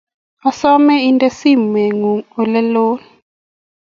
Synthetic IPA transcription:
a˨sɔ˦mɛ˦i˦ntʼe˦si˦˨mwɛ˨ŋu˨u˨lɛ˦loː˦ni

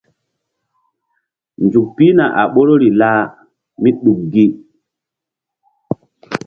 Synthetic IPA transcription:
nd͡ʒu˨k̚pi˦na˨ʔa̰˨ɓo˦ɾo˦ɾi˨laː˦ | mi˦ɗu˨mɡi˦

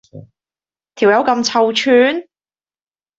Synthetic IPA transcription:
t̪ʰiː˨˩wjɐ˨˥wkɐ˧mt͡sʰɐ˧wt͡ʃʰyː˧n

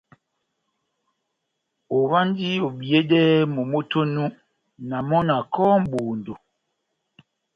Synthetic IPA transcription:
o˨βa˦n˦di˦o˨bi˨e˦dɛ˦mo˨mo˦to˦nu˦ | na˨mɔ˦na˨kɔ˦m̩˦bu˨ndo˨

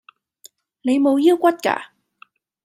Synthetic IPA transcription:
lə˨˦jmo˨˦ji˦˥əwkʷwa˦˥t̚ka̰ː˧˩

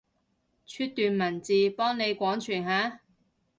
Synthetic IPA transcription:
t͡ʃʰyː˧t̪ːyː˨nmɐ˨˩nt͡siː˨pɔː˥ŋne˨˧jkʷɔː˨˥ŋt͡ʃʰyː˨˩nhaː˨˥

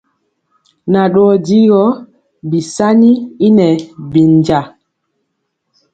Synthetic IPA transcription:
na˨ɗɔː˦di˦ɡɔ˦ | bi˨sa˦ni˦i˦nɛ˨bi˨nd͡ʒa˨

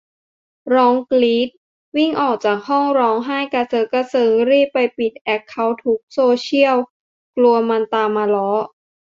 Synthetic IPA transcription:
ɾɔː˦˥ŋkliː˦˥t̪̚ | wi˥˩ŋʔɔː˨˩k̚t͡ɕaː˨˩k̚ɦɔ˥˩ŋɾɔː˦˥ŋɦaː˥˩jka˧sɤː˦˥ka˧sɤː˧ŋɾiː˥˩pːa˧jpi˨˩t̪̚ʔɛ˦˥k̚kʰːa˦˥wt̪ʰu˦˥k̚soː˧t͡ɕʰi˥˩əw | klu˧ɐma˧nt̪aː˧mːaː˧lɔː˦˥

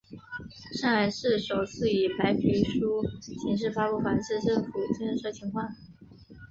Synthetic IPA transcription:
ʂa˥˩a˧˥˩ɪʂɻ̩˥˩ʂo˨˩ʊt͡sʰɹ̩˥˩y˨˩pʰa˧˥ɪpʰy˧˥ʂu˥ɕʰi˧˥nʂ̬ɻ̩˥˩fa˥pu˥˩xwa˧˥nʂ̩˥˧ʈ͡ʂɤ˥˩ŋfu˨˩t͡ɕi˥n̩˥ʂɤ˧˥˩t͡ɕʰi˧˥ŋkʰwɑ˥˩ŋ

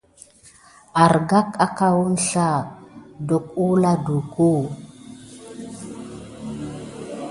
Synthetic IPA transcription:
a˨ɾɡa˦ka˦ka˦wu˦n˦ɬa˦˨do˨k̚u˦la˦du˨ku˦˨

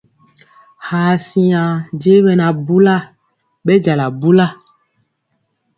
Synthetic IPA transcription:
haː˨si˦ã˨d͡ʒe˦ɓɛ˨na˨bu˦la˦˨ | ɓɛ˦d͡ʒa˨la˨bu˦la˦

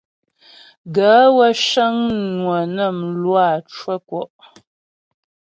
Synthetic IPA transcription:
ɡə˨˦wə˦ʃə˦ŋnwə˨nə˦˨mlwa˦˨t͡ʃwə˦kwɔ˨ʔ

